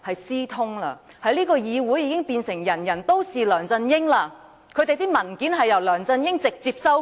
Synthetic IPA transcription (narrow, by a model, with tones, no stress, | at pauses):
hɐ˨jsiː˥t̪ʰʊ˥ŋlaː˧ | hɐ˨jliː˥kɔː˧jiː˨˧wuː˨˥jiː˨˧kɪ˥ŋpiː˧nsɪ˨˩ŋjɐ˨˩njɐ˨˩nt̪o˥wsiː˨lœː˨˩ŋt͡sɐ˧njɪ˥ŋlaː˧ | kʰɵ˨˧t̪e˨jt̪iː˥mɐ˨˩nkiː˨˥nɦɐ˨jɐ˨˩wlœː˨˩ŋt͡sɐ˧njɪ˥ŋt͡sɪ˨k̚t͡siː˧p̚sɐ˥w